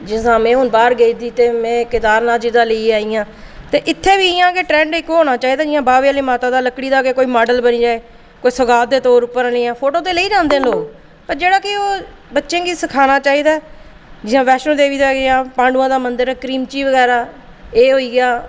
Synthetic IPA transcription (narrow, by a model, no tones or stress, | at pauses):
d͡ʒɪsãːmɛ̃ːɦʊnbaːɾɡəiːd̪iːt̪eːmɛ̃ːkɪd̪aːɾnaːd͡ʒiːd̪aːləiːaːiːãː | t̪eːʔɪt̪ʰːeːbiːɪjãːkeʈɾɛ̃ːɳɖɪkːɦoːnaːt͡ʃaːiːd̪aːd͡ʒɪjãːbaːʋeaːliːmaːt̪ãːd̪aːləkːɽiːd̪aːkeːkoːiːmaːɖəlbəniːd͡ʒaːeː | koːiːsəɡaːd̪eːt̪oːɾʊpəɾãliːãːpʰoːʈoːt̪eːləiːd͡ʒãːnd̪ẽːloːɡ | pəɾd͡ʒeːɽaːkɪoː | bətːʃẽːɡiːsəkʰaːnaːt͡ʃaːiːd̪aː | d͡ʒɪãːʋɛːʃñːd̪eːʋiːd̪aːɡejãːpãːɳɖuːãːd̪aːmənd̪əɾɛːkɾiːmt͡ʃiːʋəɡɛːɾaː | eːɦoːiːɡɪjaː